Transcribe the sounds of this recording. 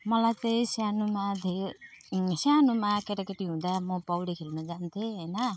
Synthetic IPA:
mʌlajt͡sʌĩsjanumad̪ʱeɾ | sjanumakeʈakeʈiɦũd̪amʌpʌwɽikʰelnud͡zant̪ʰeɦʌjnʌ

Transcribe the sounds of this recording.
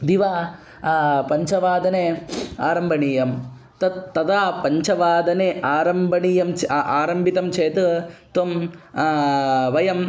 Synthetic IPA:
d̪iʋaː | pɐɲt͡ʃɐʋaːd̪ɐneaːɾɐmbʱɐɳiːjɐm | t̪ɐt̪ːɐd̪aːpɐɲt͡ʃɐʋaːd̪ɐneʔaːɾɐmbʱɐɳiːjɐmt͡ʃʔaːɾɐmbʱit̪ɐmt͡ʃʰeːt̪ut̪om | ʋɐjɐm

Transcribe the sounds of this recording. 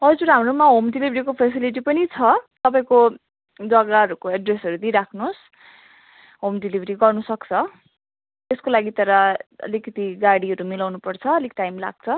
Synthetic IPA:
ɦʌd͡zuɾɦamɾomaɦomɖilibʱɾikopʰesiliʈ̬ipʌnit͡sʰʌt̪ʌpaĩko | d͡zʌɡaɦʌɾukoeɖresɦʌɾud̪iɾakʰnos | ɦomɖilibʱʌɾiɡʌrnusʌkt͡sʰʌ | t̪eskolaɡit̪ʌɾʌʌ̰likʌt̪iɡaɽiɦʌɾumilawnupʌrt͡sʰʌːlikʈajmla̰ɡ̚t͡sʰʌ

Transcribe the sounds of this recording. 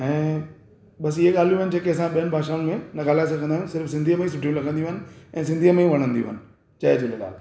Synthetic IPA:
ɛ̃ː | ɓɐsiɦeɠaːl̤ijũɦənɪd͡ʑeːkeɐsãɓijənɪbʱaːʃaːʊ̃nɪmẽnɐɡaːlaːɪsɐɡʱə̃nd̪aːũsɪɾfsɪ̃nd̪ʱiəmẽĩsʊʈʰijũlɐɡʱə̃nd̪iũɦənɪ̆ɛ̃ːsɪ̃nd̪ʱiəmẽʋɐɽ̃ə̃nd̪ijṵ̃ːɦənɪ̆ | t͡ɕaːed͡ʑolla̰ːl

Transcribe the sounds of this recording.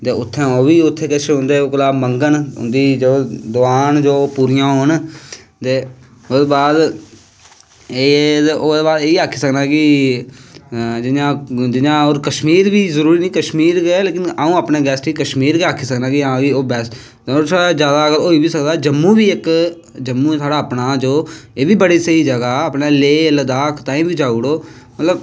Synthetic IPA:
t̪eːʊt̪ʰːẽːoːbiːʊt̪ʰːeːket͡ʃʰeɦʊ̃nd̪eːokəlaːbməŋɡənʊ̰nd̪iːd͡ʒoːd̪ʊaːnd͡ʒoːpuːɾijãːɦon | t̪eː | ʊd̪ːbaːd̪ | eːeʔoeːbaːd̪eːiaːkʰːiːsəknaːkɪ | d͡ʒɪnãːd͡ʒɪɲãːoːɾkəʃmiːɾbiːzəɾuːɾiːnĩːkəʃmiːɾɡɛleːkɪnaːũːaːpneːɡɛːsʈiːkəʃmiːɾkeaːkʰiːsəknaːkɪakioːbɛːs | oːɾt̪ʰaːɽaːd͡ʒjaːd̪aːəɡəlɦoːiːbiːsəkd̪aːd͡ʒəmːũːbiːɪk | d͡ʒəmːũːt̪ʰaːɽaːəpnaːd͡ʒoːeːʋiːbəɽiːsəiːd͡ʒəɡaːəːpneːleːləd̪aːkʰt̪ãːĩːbiːd͡ʒaːuɽoː | mət̪ləb

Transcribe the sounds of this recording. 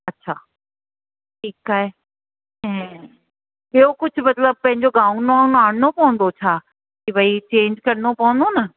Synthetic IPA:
ɐtːɕʰaː | ʈʰiːkaːɦe | ɛ̃ː | bijokʊd͡ʑʱʊ̆mɐt̪ləb̚pɐ̃ɦɪ̃ɲd͡ʑoɡãːnoãːnaːɽnopɐʋə̃nd̪ot͡ɕʰaː | kibɐit͡ɕẽːɲd͡ʑkɐɾnopɐʋə̃nd̪onɐ

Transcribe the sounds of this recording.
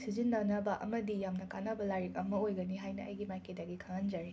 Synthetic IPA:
sizindɐnɐbɐʔɐ̰mɐdijamnɐkanɐbɐlaɾikɐmɐojɡɐniɦajnɐɐ̰jɡimajkʰedɐɡikʰaŋɐnd͡ʒaɾi

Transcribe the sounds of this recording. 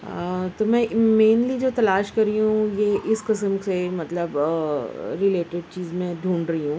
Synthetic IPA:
t̪oːmɛ̃meːnlid͡ʒoːt̪ɐlaːʃkɐɾːiɦũjeʔɪsqɪsəmsemɐt̪ləb | ɾɪleːʈɪɖt͡ʃiːzmẽd̪ʱũːɳɾɐɦiɦũː

